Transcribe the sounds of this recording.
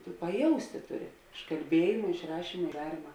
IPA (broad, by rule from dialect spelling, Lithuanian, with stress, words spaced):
tʊ pɐˈjɛʊsʲtʲɪ ˈtʊˌrʲɪ ɪʃ kɐlʲˈbʲiɛjɪmɐ ɪʃ ˈrɑːʃʲiːmɐ ɪ ˈdɑːrʲiːmɐ